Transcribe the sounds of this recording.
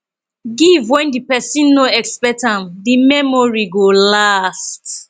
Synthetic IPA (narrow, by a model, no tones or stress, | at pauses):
ɡivwɛ̃ndipɛsĩnːoɛkspɛtãmdimɛmɔɹiɡolast